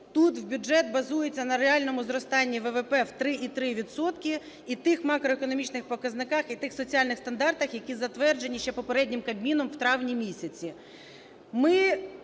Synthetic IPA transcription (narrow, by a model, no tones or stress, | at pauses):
t̪ut̪wbʲʊʒɛt̪̚bɐzujet͡sʲːɐnɐɾeɑlʲnɔmʊzɾɔst̪ɑnʲːiʋɛʋepɛwt̪ɾɪʔit̪ɾɪʋʲid̪sɔt̪kʲi | it̪ɪxmɑkɾɔekɔnɔmʲit͡ʃnɪxpɔkɐznɪkɑxit̪ɪxsɔt͡sʲiɑlʲnɪxst̪ɐnd̪ɑrt̪ɐxjɐkʲizɐt̪ʋɛrd͡ʒe̞nʲiʃt͡ʃɛpɔpeɾɛdʲnʲɪmkɐbʲmʲinɔmwt̪ɾɑwnʲimʲisʲɐt͡sʲi | mɪ